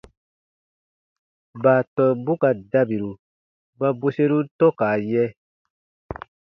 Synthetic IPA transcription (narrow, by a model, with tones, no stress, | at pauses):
ba˨tɔ˨bu˦ka˨da˦bi˨ɾu˨ | ba˦bo˦se˦ɾu˦tɔ˦kaː˨jɛ˦